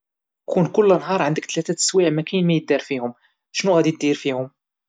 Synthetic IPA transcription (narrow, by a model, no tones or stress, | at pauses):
kunkʊlːnɦɑɾˤʕənd̪əkt̪læt̪æt̪ə̥swiʕmækæjnmæjəd̪ːɑɾˤfihʊm | ʃnuɣæd̪it̪d̪iɾfihʊm